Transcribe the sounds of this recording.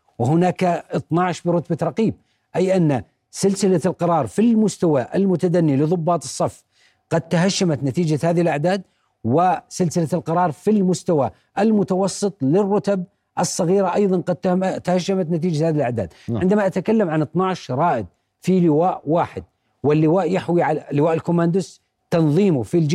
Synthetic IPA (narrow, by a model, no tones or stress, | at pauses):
wɪɦʊnaːkaʔɨt̪ˤnɑʕʃbɪɾʊt̪baɾˤɑqiːb̚ | ʔajʔanːa | sɪlsɪlalqɑɾˤɑːɾˤfilmʊst̪awaʔɪ̰lmʊt̪ad̪anːilɨðˤʊbːɑːt̪ɨ̥sˤːɑfː | qɑd̪̚t̪aɦaʃːamat̪nat̪iːd͡ʒahaːðɪhɪlʔaʕd̪aːd̪̚ | wɪsɪlsɪlalqɑɾˤɑːɾˤfilmʊst̪awa | ʔɪlmʊt̪ɑwɑsˤːɨt̪ˤlɪrːʊt̪ab | ʔɨsˤːɑɣiːɾaʔɑjðˤɑnqɑd̪̚t̪ahaʃːamat̪nat̪̬iːd͡ʒahaːðɪlʔaʕd̪a̰ːd̪ɪnd̪amaʔat̪akalːamʕanɨt̪ˤnɑʕɪʃɾˤɑːʔɪd̪̚ | filɪwaːʔwaːħɪd̪̚ | wɪlːɪwaːʔjaħwiʕallːɪwaːʔɪlkʊmand̪ʊs | t̪ɑnðˤiːmʊfild͡ʒ